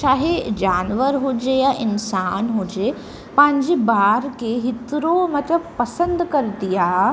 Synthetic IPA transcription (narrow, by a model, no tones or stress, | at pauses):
ʃaːɦed͡ʑaːnʋəɾɦʊd͡ʑejaʔɪnsaːnɦʊd͡ʑe | pɐ̃ɦɪ̃ɲd͡ʑebaːɾkeɦɪt̪ɾomɐt̪əbpɐsə̃nd̪kɐɾt̪ijaː